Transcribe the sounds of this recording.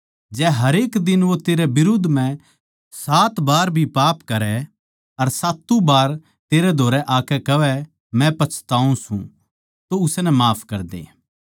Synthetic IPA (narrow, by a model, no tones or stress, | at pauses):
d͡ʒɛːɦɐɾeːkd̪ɪnʋot̪eːɾɛbɪɾʊd̪ʱːm̤ɛ̃ | saːt̪baːɾbʱipaːpkɐɾɛ | ɐɾsaːt̪ːũbaːɾ | t̪eːɾɛd̪ʱoːɾɛʔaːkɛkɐʋɛ | mɛ̃pɐt͡ʃʰt̪aːũsṵ̃ | t̪oʊsnɛmaːpʰkɐɾd̪ḛː